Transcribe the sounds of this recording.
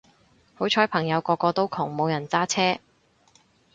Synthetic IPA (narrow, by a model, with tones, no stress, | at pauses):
ho˨˥wt͡ʃʰɔː˨˥jpʰɐ˨˩ŋjɐ˨˧wkɔː˧kɔː˧t̪o˥wkʰʊ˨˩ŋmo˨˧wjɐ˨˩nt͡saː˥t͡sʰɛː˥